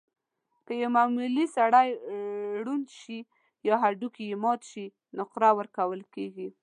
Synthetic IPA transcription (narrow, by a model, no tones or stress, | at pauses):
kəjawmamulisaɽaj | ɽunʃi | jɑɦaɖukiɪmɑt̪ʃi | nʊqɾawəɾkawəlkeɡi